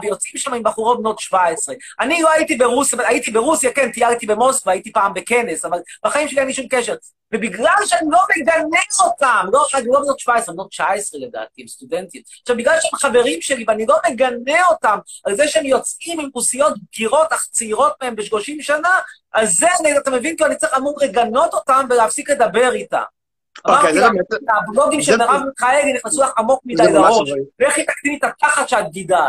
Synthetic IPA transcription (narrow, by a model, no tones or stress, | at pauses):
vejo̞t͡sʔimʃamaimbaχuʁo̞bno̞tʃvaesʁeʔanilo̞aitibeʁusjaait̪ibeʁusjakent̪ijalt̪ibe̞mo̞skvaːjit̪ipaːmbe̞ke̞ne̞savalb̥aχaimʃeliajniʃumkeʃe̞ʁ | vebiɡlalʃeanilo̞meɡaneotamlo̞aɡlo̞benot̪ʃvaesʁemeno̞t̪t͡ʃaesʁeled̪a̰ːt̪iimst̪ude̞ntitaʃavbiɡlalʃeemχave̞ʁimʃe̞liveanilo̞meɡane̞o̞tam | alzeʃeemjo̞t͡sʔimimʁusijo̞t̪̚b̚ɡiʁo̞taχt͡seiʁo̞t̚mee̞mbeʃloʃimʃana | alzzeaniat̪ame̞vinkiluanit͡sʁiχamumʁeɡano̞to̞tamveleafsikled̪abe̞ʁita̰m | amaʁilabllo̞ɡimʃeneʁavmiχaeliniχnesulaχamo̞k̚mid̪ajlaʁoʃeχit̪akt̪imetataχat̪ʃead̚ɡida